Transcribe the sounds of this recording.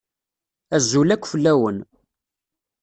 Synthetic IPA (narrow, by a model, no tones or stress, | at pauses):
æzːulækʷːfəlːæwən